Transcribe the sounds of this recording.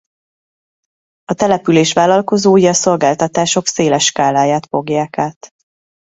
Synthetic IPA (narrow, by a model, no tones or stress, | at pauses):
ɒt̪ɛlɛpyleːʃʋaːlɒlko̞zoːjɒso̞lɡaːlt̪ɒt̪aːʃo̞kseːlɛʃkaːlaːjaːt̪fo̞ɡjaːkaːt̪